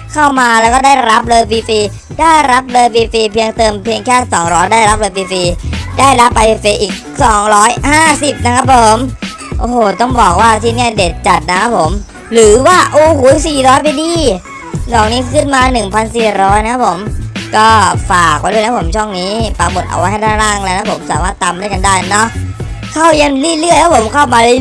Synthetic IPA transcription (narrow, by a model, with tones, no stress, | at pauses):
kʰa˥˩wmaː˧lɛː˦˥wkɔː˥˩daː˥˩jɾa˦˥p̚lɤː˧jpiː˧fiː˧ | daː˥˩jɾa˦˥p̚lɤː˧jpiː˧piː˧pʰi˧əŋt̪ɤː˧mpʰi˧əŋkʰɛː˥˩sɔː˩˦ŋɾɔː˦˥jdaː˥˩jɾa˦˥p̚lɤː˧jpʰiː˧fiː˧daː˥˩jɾa˦˥pːa˧e˧feː˧ʔiː˨˩k̚sɔː˩˦ŋɾɔː˦˥jhaː˥˩si˨˩p̚na˦˥kʰa˦˥pʰːo˨˩˦m | ʔoː˧˩hoː˨˩t̪ɔ˥˩ŋbɔː˨˩k̚waː˥˩t̪ʰiː˥˩ni˥˩ɐdeː˨˩t̪̚t͡ɕa˨˩t̪̚na˦˥kʰa˦˥pʰːo˨˩˦m | ɾɯː˩˦waː˥˩ʔoː˨˩hoː˨˩˦siː˨˩ɾɔː˦˥jp̬a˧jdiː˧˩ | nɔː˨˩ŋniː˦˥kkʰɯ˥˩nmaː˧nɯ˨˩ŋpʰa˧nsiː˨˩ɾɔː˦˥jna˧˥a˦˥pʰo˩˦mkɔː˥˩faː˨˩k̚wa˦jdu˥˩˨nʰa˦˥pʰo˩˦mt͡ɕʰɔ˥˩ŋniː˦˥pa˧˩mo˨˩t̪̚ʔa̰˧wa˦jha˥˩jt̪ʰaː˥˩laː˥˩ŋlaː˧˥˩na˦˥pʰo˩˦msaː˨˩˦maː˥˩t̪ːa˧mdɯ˥˩˨jka˧ndaː˥˩jnɔ˦˥ʔ | kʰa˥˩wja˧nlɯ˥˩lɯ˥˩˨jkʰa˦˥pʰo˩˦mkʰa˥˩wmaː˧li˥˩